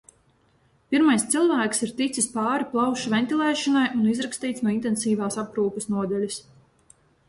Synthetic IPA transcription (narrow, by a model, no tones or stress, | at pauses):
piɾmajst̪silˠvæːksiɾt̪it̪sispɑːɾiplˠɑwʃvɛnt̪ilˠɛːʃɔnajunizɾakst̪iːt̪snuɔint̪ensiːvaːsapɾuːkusnuɔd̪ɛlʲɐs